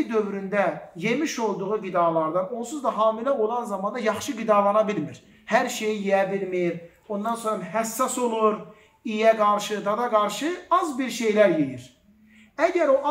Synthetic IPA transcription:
id̪ø̞vɾynd̪æje̞miʃo̞lˠd̪uʁuɡid̪ɑlˠɑɾd̪ɑno̞lˠsuzd̪ɑɦɑːmilæo̞lˠɑnzɑmɑnd̪ɑjɑχʃɯɡid̪ɑlˠɑnɑbilmiɾ | hæɾʃe̞jijijæbilmiɾ | o̞nd̪ɑnsoɾɑɦæsːɑso̞lˠuɾ | ijæɡɑɾʃɯd̪ɑd̪ɑɡɑɾʃɯɑzbiɾʃe̞jlæɾjejiɾ | æɟæɾo̞ʔɑ

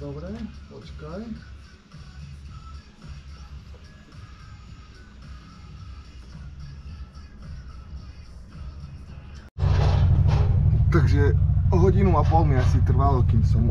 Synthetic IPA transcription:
d̪ɔbɾɛpɔt͡ʃkaj | t̪aɡʒɛɔɦɔɟinuapɔlmiasit̪r̩ʋalɔkiːmsɔm

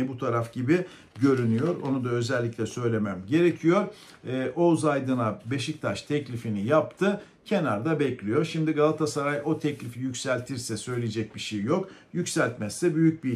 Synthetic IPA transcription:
ɛbut̪ʰaɾafɟibi | ɟø̞ɾynyjo̞ɾo̞̰nud̪aø̞zɛlʲːicʲlʲɛsø̞jlʲe̞mæmɟe̞ɾe̞cʰijo̞ɾː | ʔo̞zajd̪ɯnabe̞ʃic̚t̪ʰaʃt̪ʰɛclʲifinijapt̪ʰɯ | cʰe̞naɾd̪abɛclʲijo̞ɾʃimd̪iɡalˠat̪ʰasaɾajʔo̞t̪ʰɛclʲifijycʲsælʲt̪ʰiɾsɛsø̞jlʲeed͡ʒɛc̚biʃejːo̞k | jycsælʲt̪mɛsːɛbyjyc̚bi

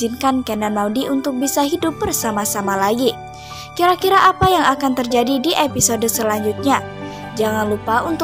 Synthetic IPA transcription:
inkankɛnamawdiʔunt̪ʊk̚bisaɦidʊp̚bərsamasamalaɡi | kiɾakiɾaʔapajaŋakant̪ərd͡ʒadidiʔepisodəsəlaɲd͡ʒut̪̚ɲa | d͡ʒaŋanlupaunt̪

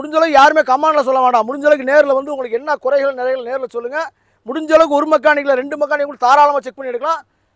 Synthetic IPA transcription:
mʊɽɪɲd͡ʒɐlɐɣɯjaːɾɯmeːkɐmːaːnɐlɐs̬ɔlːɐʋeːɳɖãːmʊɽʊɲd͡ʒɐlɐɣɯneːɾɯlɐʋɐnd̪ɯʊŋɡɐɭɯkːɛnːɐkʊɾɐɪɣɐɭnɪɾɐɪɣɐɭneːɾɪlɐsɔlːɯŋɡɐ | mʊɽʊɲd͡ʒɐlɐkɯɔɾɯmɐk̬ːaːnɪkːɯlɐɾɛɳɖɯmɐkːaːnɪkkːʊɭt̪aːɾaːlɐmaːt͡ʃɛk̚pɐɳːɪɛɽɯkːɐɭãː

